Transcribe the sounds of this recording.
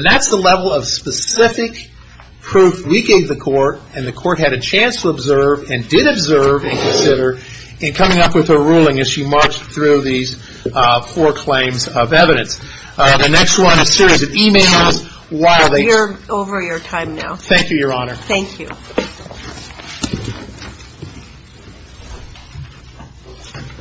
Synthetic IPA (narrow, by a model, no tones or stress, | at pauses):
nðætsðəlɛvl̩ˠʌv̥spɨsɪfɪk | pʰɹ̥ʉfwiɡeɪvðɨkʰɔɹɾɨ̃nðɨkʰɔɹt̚ɦɨɾɨt͡ʃʰæ̃nstʰəəbzɜ˞vɨ̃ndɪɾɨbzɜ˞vɨ̃nkʰɨ̃nsɪɾə˞ | ɨ̃nkʰʌmɪ̃ŋʌpwɨð̥ə˞ɹulˠɪ̃ŋɨz̥ʃimɑɹt͡ʃθɹʉðiz̥ | fɔɹkʰl̥ẽɪ̃mzʌvɛvɨɾɨ̃ns | ðɨnɛkst̚wʌ̃nɨz̥sɪɹizʌvimeɪlˠz | waɪlˠðeɪ˞oʊvə˞jə˞tʰãɪ̃mnaʊθæ̃ŋkjɨjə˞ɑnə˞θæ̃ŋkʰjʉ̰